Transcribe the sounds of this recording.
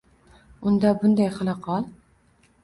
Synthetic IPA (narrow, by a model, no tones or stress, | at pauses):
ʊnd̪abʊnd̪ajχɑlˠɑqʰɑlˠ